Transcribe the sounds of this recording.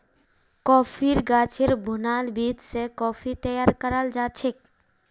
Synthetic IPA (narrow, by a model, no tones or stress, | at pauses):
kɔːpʰiɾɡaːt͡ʃʰeɾbʱʊnaːlbiːd̪sekɔːpʰit̪əjaɾkəɾəld͡ʒaːt͡ʃʰek